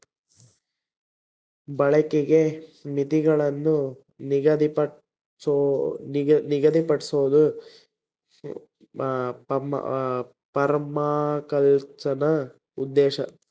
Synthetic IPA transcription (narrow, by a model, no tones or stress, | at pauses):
bɐɭɐkeɡe̞mit̪iɡɐɭɐnːu | niɡɐd̪ipɐ | niɡɐd̪ipɐʈsoːd̪u | pɐɾmaːkɐlt͡ʃɐnɐ | ud̪ːɛːʃɐ